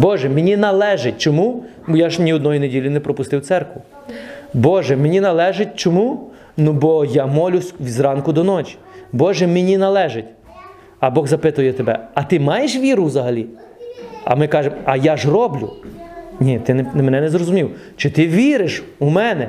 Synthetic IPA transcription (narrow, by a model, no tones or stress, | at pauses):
bɔʒɛmenʲinɐlˠɛʒɪtʲt͡ʃɔmu | jaʒnʲiɔd̪nɔjinedʲilʲʊnɛpɾɔpʊst̪ɪwt̪sɛrkʋʊ | bɔʒɛmenʲinɐlˠɛʒɪt̚ʲt͡ʃɔmu | nubɔjɑmɔlʲʊsʲʋʲizrɑnkʊd̪ɔnɔt͡ʃʲi̥ | bɔʒɛmenʲinɐlˠɛʒɪtʲ | ɐbɔɣzɐpɪt̪ʊjɛt̪ebɛ̰ɐt̪ɪmɑjeʃʋʲiɾʊwzɐɦɐlʲi | ɐ̰mɪkɑʒemɐjaʒrɔblʲʊ̰nʲit̪ɪnmenɛnɛzrɔzʊmʲiwt͡ʃɪt̪ɪʋʲiɾɪʃʊmɛnɛ